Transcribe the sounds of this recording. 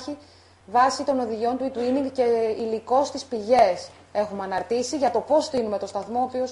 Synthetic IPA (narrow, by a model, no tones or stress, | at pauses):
i | vɐsit̪o̞no̞ðiʝio̞nt̪uit̪uiniŋɡce̞iliko̞st̪ispiʝe̞s | e̞xumɐnɐɾt̪isiʝɐt̪o̞po̞sθinume̞t̪o̞st̪ɐθmo̞oːpio̞s